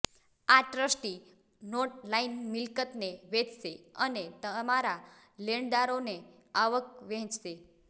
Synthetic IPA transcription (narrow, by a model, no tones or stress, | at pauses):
aʈɾəsʈi | noʈlainmɪlkət̪neʋet͡ʃseənet̪əmaɾa | leɳd̪aɾone | aʋək̚ʋɛ̃t͡ʃse